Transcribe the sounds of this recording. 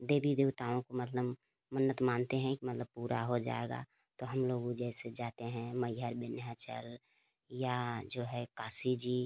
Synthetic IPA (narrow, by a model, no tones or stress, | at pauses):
d̪eːbid̪eːwt̪aːõkomət̪ləb | mənːət̪maːnt̪eɦɛ̃kimət̪ləb̚puːɾaɦod͡ʒa̰ːeɡa̰ | t̪oɦəmloːɡõd͡ʒɛːɪsed͡ʒaːt̪eɦɛ̃məjɦəɾbɪnjat͡ʃə̰l | jad͡ʒoːɦɛkaːsid͡ʒiː